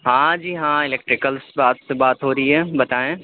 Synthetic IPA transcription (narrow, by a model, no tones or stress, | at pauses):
ɦãːd͡ʑiːɦãːɪleːk̚ʈɾɪkəlsbaːt̪sebaːt̪ɦoːɾiebɐt̪aːẽ